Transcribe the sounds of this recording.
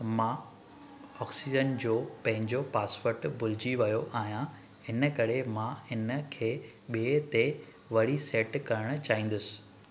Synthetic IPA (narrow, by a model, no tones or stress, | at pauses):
mãː | ɔːksid͡ʑənd͡ʑoːpɐ̃ɦɪ̃ɲd͡ʑopaːsʋəɾʈbʱʊlɪd͡ʑiʋɐjoʔaːɦijã | ɦɪnəkɐɾemãɪnəkʰeː | ɓiet̪e | ʋɐɽiseːʈkɐɾəɽ̃ʊ̆t͡ɕaːɦĩːnd̪ʊsɪ̥